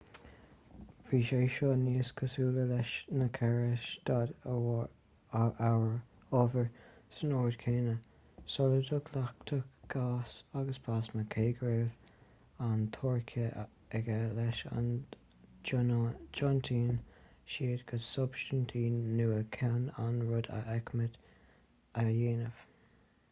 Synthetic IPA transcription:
v̥iːʃeːʃɔniːskʰəsuːləlɛʃnəkʰɛɹɪʃd̪̥ad̪ | awəɹ | ɔvəɹsənoːɹdkʰeːnə | sɔləd̪ʊkʰlak̚t̪ʰəkɡ̥aːsaɡəsbʰasməkʰeːɡɹeːv | ant̪ʰɔɹkʰə | ɛɡəlɛʃa̰n | d͡ʒɔnt̪ʰiːnʃiːdɡ̥əsʊbʃtənt̪ʰiːnːuːəkʰɛnanɹʊd̪a̰ʔɛkməd̪ | əjeːnəv̥

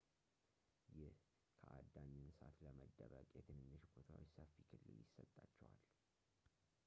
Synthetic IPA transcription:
jɪh | kʰəʔad̪ːaɲːɨnsat̪ləməd̪ːəβəkʼjɛt̪ʰɨnɨnːɨʃbot̪ʰawet͡ʃsəfːikʰɨlːɨljɪsət̪ʼːat͡ʃːɛwal

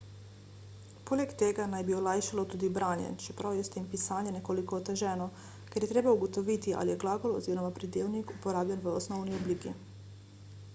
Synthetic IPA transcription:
poːlɛkt̪eːɡanajbiolajʃalɔt̪uːd̪ibɾaːnjɛ̰t͡ʃɛpɾʔawjɛst̪eːmpisaːnjɛnɛkolikoːt̪ɛʒɛːnɔ | kɛɾjɛt̪ɾeːbauɡot̪oʋit̪iʔa̰lijɛɡlaːɡolo̰ziːɾɔmapɾid̪eːwnikupoɾaːbʎɛnʋəosnɔwniobliːki

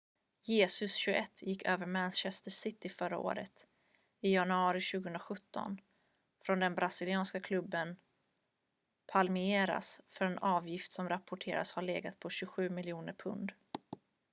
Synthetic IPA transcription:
jeːsɵsɕɵʔɛt̪ːjɪkːøːvəɾmɛnɕɛst̪əʂɪt̪ɪfœɾa̰o̰ːɾə̰t̪ | ɪjanɵɑːɾɪɕʉɡəhɵnɾaɧɵt̪ːɔ̰n | fɾɔnd̪ɛnbɾasɪlɪɑːnskakʰlɵbːən | pʰalmɪeːɾa̰sfœɾɛnɑːvjɪft̪sɔmɾapʰːʊʈʰḛːɾa̰shaɭeːɡat̪̚pʰɔɕɵɧʉ̟ːmɪljuːnəɾpʰɵ̰nd̪

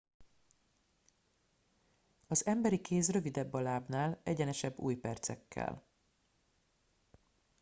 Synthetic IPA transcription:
ɒzɛmbɛɾikeːs̬rø̞vid̪ɛbːɒlaːbnaːlɛɟɛnɛʃɛbːṵːjpɛrt̪sɛ̰kʰːɛ̰l

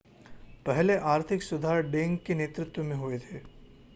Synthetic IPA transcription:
pɛɦleʔaːɾt̪ʰɪksʊd̪ʱaːɾɖẽːŋɡkeneːt̪ɾʊt̪wəmẽɦoet̪ʰeː

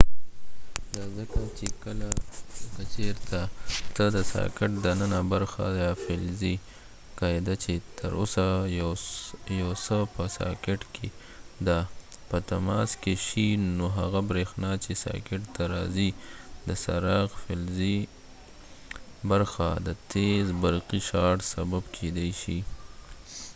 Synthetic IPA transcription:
d̪azəkat͡ʃekəlakət͡ʃeɾt̪at̪əd̪əsɑ̰kɪʈd̪ənənabaɾxa̰jafelzi | kɑed̪at͡ʃet̪ʰəɾo̰sa | jawsəpəsɑ̰kɪʈkʰe | d̪a | pət̪amɑskeʃinoɦaɣabɾexnɑt͡ʃesɑ̰kɪʈt̪aɾɑzid̪əsa̰ɾɑɣfelzi | baɾxad̪ət̪ʰezbaɾqiʃɑɽsababkʰed̪ajʃi

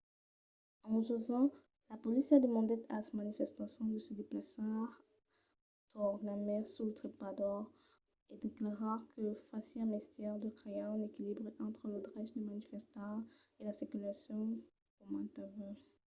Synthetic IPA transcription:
ɑ̃ʒəvɑ̃ | lapɔlisjad̪əmɑ̃d̪ɛt̪asamanifɛst̪asjɔ̃d̪əsəd̪eplasœʁ | t̪ɔʁnamɛʁsulət̪χipad̪ɔʁ | ed̪eklaʁaʁkəfasiɛ̃mɛst̪jɛʁd̪əkχejãnekʲilibʁeʔɑ̃t̪χəlod̪ʁaʒd̪emanifɛst̪ɑ̃elasikylasjɔ̃ | kɔmɑ̃t̪avɛ

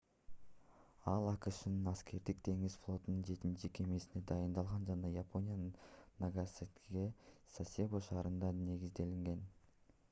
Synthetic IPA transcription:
ɑlˠɑqɯʃɯnɯnɑskʲe̞ɾd̪ik̚t̪ʰe̞ŋiz̥flˠo̞t̪unɯnd͡ʒe̞t̪innt͡ʃike̞me̞sine̞d̪ɑjɯnd̪ɑlˠʁɑnd͡ʒɑnɑjapʰo̞nʲijannaɡaset̪ɡʲe̞sasʲeboʃɑːɾɯnd̪ɑne̞ɡizd̪e̞liŋɡe̞n

